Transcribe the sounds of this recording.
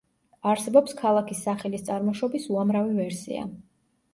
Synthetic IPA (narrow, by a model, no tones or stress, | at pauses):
aɾsɛbɔpskʰalˠakʰisːaχɛlist̪sʼaɾmɔʃɔbisuamɾavivɛɾsḭa̰